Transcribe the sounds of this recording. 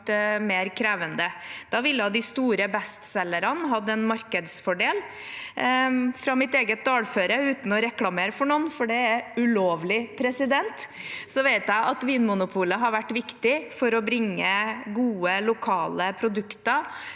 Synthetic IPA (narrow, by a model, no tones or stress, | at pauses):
meːɾkʰɾeːʋənd̪əd̪̥ɑʋɪlːəjæd̪ɪst̪uːɾəbɛst̪sɛlːəɾɑnɦɑd̪ːəɛnmɑɾkəd̪sfɔɖeːl | fɾɑmɪt̪eːɡət̪̚d̪ɑːlføːɾəʉːt̪n̩ɔɾɛklɑmeːɾəfɔɳɔnfɔɖɛɛɾʉloːʋlɪpʰɾɛsɪd̪ɛnt̪sɔʋeɪt̪jæɪʔɑt̪ʋiːnmʊnʊpʰuːləɦɑɾʋæʈːʋɪkt̪ɪfɔɾɔbɾɪŋːəɡuːəlʊkʰɑːləpʰɾʊd̪ʉkt̪ə